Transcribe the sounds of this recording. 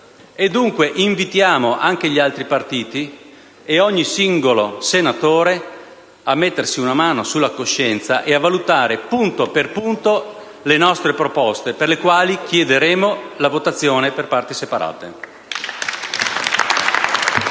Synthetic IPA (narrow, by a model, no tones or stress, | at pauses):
ed̪ːuŋkweʔiɱvit̪jaːmoʔaŋk̟eʎialt̪ɾipart̪iːt̪i | eɔɲːisiŋɡolosenat̪oːɾe | amet̪ːersiunamaːnosulːakoʃːɛnt̪sa̰ʔeavalut̪aːɾepunt̪operpunt̪o | lenɔst̪ɾepɾopɔst̪eperlekwaːlik̟ʰjɛd̪eɾeːmolavot̪at̪sːjoːneperpart̪isepaɾa̰ːt̪ḛ